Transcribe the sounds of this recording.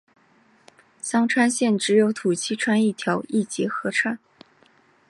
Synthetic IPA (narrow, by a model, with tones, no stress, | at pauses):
ɕɑ˥ŋʈ͡ʂʰwa˥nɕjɛ˥˩nʈ͡ʂɻ̩˧˥jo˧˥ʊt̪ʰu˨˩t͡ɕʰi˥ʈ͡ʂʰwa˥ni˥˩t̪ʰjɑ˧˥ʊi˥˩t͡ɕjɛ˧˥xɤ˧˥ʈ͡ʂʰwa˥˩n